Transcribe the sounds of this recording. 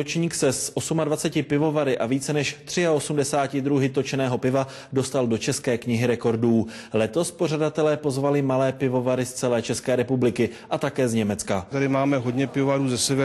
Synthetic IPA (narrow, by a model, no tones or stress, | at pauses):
ot͡ʃɲiːksɛsʔo̞sumadvat͡sɛcɪpɪvo̞vaɾɪʔaviːt͡sɛnɛʃt̪r̝̥ɪao̞sumdɛsaːcɪdɾuɦɪt̪o̞t͡ʃɛnɛːɦo̞pɪva | do̞st̪aldo̞t͡ʃɛskɛːkɲɪɦɪɾɛko̞ɾduː | lɛt̪o̞spo̞r̝adat̪ɛlɛːpo̞zvalɪmalɛːpɪvo̞vaɾɪst͡sɛlɛːt͡ʃɛskɛːɾɛpublɪkɪʔat̪akɛːzɲɛmɛt͡skat̪adɪmaːmɛɦodɲɛpɪvovaɾuːzɛsɛvɛ